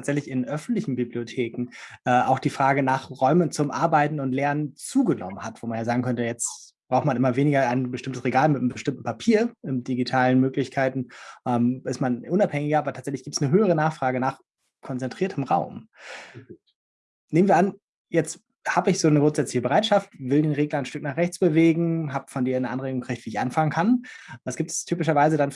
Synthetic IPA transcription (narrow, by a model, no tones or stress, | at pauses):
aːtz̥ɛçlɪçɪnʔœfn̩tlɪçn̩bibliotʰeːkŋ̩ʔɛːʔaʊxd̥iːfʁ̥aːɡənaːχʁɔʏmənt͡sʊmʔaɐbaɪtn̩ʊntlɛɐnənt͡suːɡənɔ̰mənhatv̥oːmanjaːzaːɡŋ̩kʰœntəjɛt͡st | b̥ʁaʊxtmanʔɪmɐveːnɪɡɐaɪnbəʃtɪmtəsʁ̥eɡaːlmɪtəmbəʃtɪmtn̩pʰapʰiːɐɪmd̥iɡitʰaːlənmøːklɪçkʰaɪtn̩ʔɛːmɪstmanʔʊnaphɛŋɪɡɐʔaːbɐtʰaːtzɛçlɪçɡ̥iːptsnəɦøːəʁ̞ənaːχfʁ̥aːɡənaːχ | kʰɔnt͡sɛntʁ̥iːɐtʰəmʁaʊm | neːmnviːɐʔan | jɛt͡st | haːbɪçz̥oːnəɡʁʊntz̥ɛt͡slɪçəbəʁaɪtʃaftvɪldeːnʁeːklɐnʃtʏknaːχʁɛçt͡sb̥əveːɡŋ̩ɦaːpfɔndiːɐnəʔanʁeːɡʊŋɡkəkʰʁ̥ɪçtv̥iːɪçʔa̰nfaŋənkʰand̥asɡ̥iːp̚tɛ̥stʰyːpɪʃɐvaɪzədan